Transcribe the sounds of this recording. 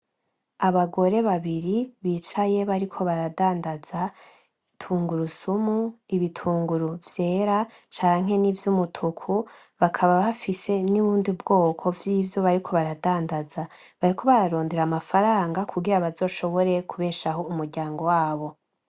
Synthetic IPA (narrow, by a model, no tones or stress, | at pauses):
aβaɡo̞ɾe̞βaβiɾiβiːt͡ʃaje̞βaɾikʰo̞βaɾadaːndaza | tʰuːŋɡuɾusumuiβitʰuːŋɡuɾuvje̞ːɾat͡ʃaːŋ̥ɦe̞nivjumutʰukʰu | βakʰaβaβafise̞niβuːndibɡo̞ːkʰo̞vjiːvjo̞βaɾikʰo̞βaɾadaːndazaβaɾikʰo̞βaɾaɾo̞ːndeɾamafaɾaːŋɡakuɡiɾaβazo̞ːʃo̞βo̞ɾe̞kʰuβe̞ːʃaho̞umuɾɟaːŋɡo̞waːβo̞